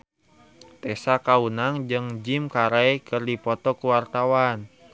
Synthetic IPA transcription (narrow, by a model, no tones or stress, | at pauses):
t̪ɛsakaunaŋd͡ʒɨŋd͡ʒimkaɾajkʰɨrdipɔt̪ɔkuwart̪awan